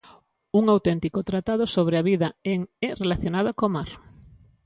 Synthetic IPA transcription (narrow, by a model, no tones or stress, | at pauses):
uŋawt̪ɛnt̪ikot̪ɾat̪að̞osoβ̞ɾeaβiðɐeŋɛrelaθjonað̞okomaɾ